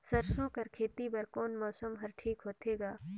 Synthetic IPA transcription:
sɐɾsoːkɐɾkʰeːt̪ibɐɾkoːnmɔːsəmɦɐɾʈʰiːkɦoːt̪ʰeːɡaː

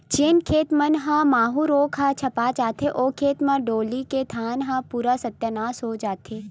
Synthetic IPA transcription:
t͡ʃɪnkʰeːt̪mɐnɦãːmaːɦũɾoːkʰɦãt͡ʃʰɐpat͡ʃaːt̪ʰeʔoːkʰeːt̪mãɖoːliket̪ʰaːnɦãːpuːɾasɐt̪jənaːsɦoːd͡ʒaːt̪ʰeː

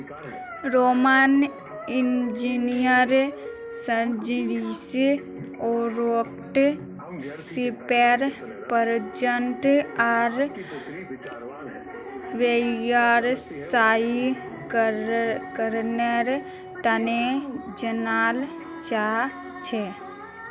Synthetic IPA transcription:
ɾoman | ind͡ʒinijəɾ | səd͡ʒiɾis | oɾok | ʈ | sipeɾ | pəɾd͡ʒənʈaɾ | ʋejaɾsaːi | k | kəɾneɾ | t̪əned͡ʒənaːl | t͡ʃa | t͡ʃʰe

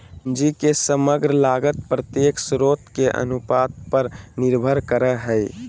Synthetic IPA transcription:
d͡ʒikesəməɡɾəlaɡət̪̚pɾət̪jeksɾot̪keʔə̰nupad̪̚pəɾniɾbʱəɾkəɾəɦəj

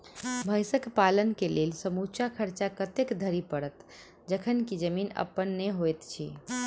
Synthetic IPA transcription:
bʱəjsəkpalənkelelsəmut͡ʃakʰəɾt͡ʃakət̪ekd̪ʱəɾipəɽət̪ | d͡ʒəkʰənkid͡ʒəminə̰pːənːeɦojt̪t͡ʃʰḭ

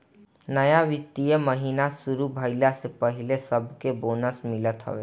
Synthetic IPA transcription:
nəjaʋɪt̪ːijəməɦiːnasuɾubʱəɪlasepəɦilesəbʱkeboːnəsmɪlət̪ɦə̰ʋeː

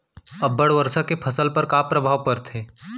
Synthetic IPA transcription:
ɐbːəɽʋəɾsakepʰɐsəlpɐɾkaːpɾɐbʱaːʋpɐɾt̪ʰeː

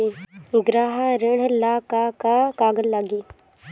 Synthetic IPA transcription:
eɡɾaːɦaɾɪɽ̤laːkakakaːɡəlːaɡiː

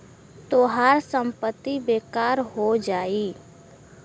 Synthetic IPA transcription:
t̪oːɦaːɾsə̃mpət̪ːibeːkaːɾɦod͡ʒaːiː

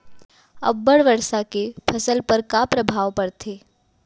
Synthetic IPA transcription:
ɐ̰bːəɽʋəɾsakepʰɐsəlpəɾkapɾəbʱaːʋpɐɽt̪ʰeː

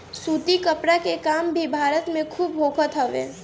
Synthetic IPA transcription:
suːt̪ikəpɾakekaːmbʱibʱaːɾət̪mẽkʰuːbɦoːkʰət̪ɦɐʋḛː

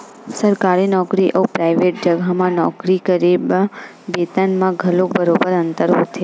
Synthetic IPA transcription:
səɾkaɾenɔkɾiʔəupɾajʋeʈ̚d͡ʒəɡʱamãnɔkɾikəɾeb | bet̪ənmãɡʱəlobəɾobəɾənt̪əɾɦot̪ʰe

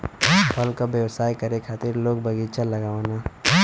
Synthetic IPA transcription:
pʰɐlkabjəwsaːikəɾekʰaːt̪ɪɾloːɡbəɡit͡ʃalɐɡaːʋanaː

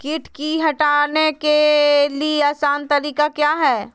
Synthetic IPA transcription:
kɪʈkiɦɐʈaːnekelieaːsaːnt̪ɐɾiːkakjaːɦɛː

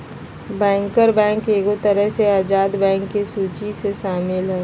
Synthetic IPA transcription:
bɛ̃ːŋkəɾbɛ̃ːŋkeːɡot̪əɾəɦseaːd͡ʒaːd̪bɛ̃ːŋkːesuːt͡ʃiseʃaːmɪlɦɛː

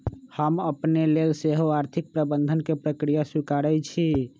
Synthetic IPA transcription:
həməpnelelseɦoaɾt̪ʰik̚pɾəbənd̪ʱənkepɾəkɾijasikaɽɛt͡ʃʰi

